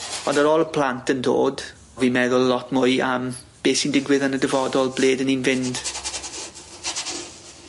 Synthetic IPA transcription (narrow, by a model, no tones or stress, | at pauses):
ɔndəɾɔːlˠəpʰl̥antʰəndo̰ːd | vimɛðʊlˠlɔtmʊjam | b̥eːsindɪɡwɪðanədəvɔdɔlˠbleːdəninvɪnd̥